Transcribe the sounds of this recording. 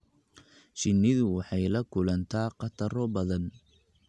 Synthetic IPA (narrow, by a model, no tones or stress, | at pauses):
t͡ʃɪnːɪðʊwɑħɑjlɐkʰʊlɐnt̪ʰaːqɑt̪ʰɐɾɔbɐðɐn